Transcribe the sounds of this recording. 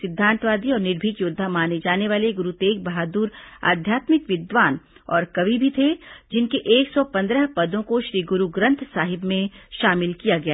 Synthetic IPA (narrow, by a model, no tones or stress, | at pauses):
sɪd̪ʱːãːnt̪ʋaːd̪iɔːɾnɪɾbʱiːkjʊd̪ʱːamaːned͡ʒaːneʋaːleɡʊɾut̪eːk̚bɐɦaːd̪uːɾa̰ːd̪ʱjaːt̪mɪkʋɪd̪ʋaːnɔːɾkɐʋibʱit̪ʰed͡ʒɪnkeʔeːksɔpɐ̃nd̪ɾəɦpɐd̪õkoʃɾiːɡʊɾuɡɾɐ̃nt̪ʰsaːɦɪbmẽʃaːmɪlkijaɡɐjaː